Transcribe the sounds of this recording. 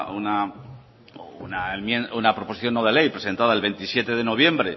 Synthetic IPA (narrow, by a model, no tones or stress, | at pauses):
una | ṵnaemjenunapɾo̞posi̥θjo̞nːoð̞e̞le̞jpɾese̞nt̪að̞aelβe̞nt̪isje̞t̪e̞ðe̞no̞β̞je̞mbɾe̞